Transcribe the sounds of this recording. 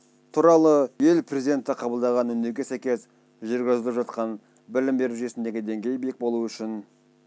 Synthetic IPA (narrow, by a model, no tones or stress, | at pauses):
t̪ʰuɾɑlˠəje̞lpʰrʲe̞zijd̪e̞nt̪ɪqʰɑbəlˠd̪ɑʁɑnʏnd̪eɡʲe̞sæjkʲe̞s | ʒʏɾɡʲɪzɪlˠɪpʒɑt̪qɑn | bɪlɪmbe̞ɾuʒyje̞sɪnd̪e̞ɡʲɪd̪e̞ŋɡʲe̞jbek̚bo̞lˠuʏʃɪn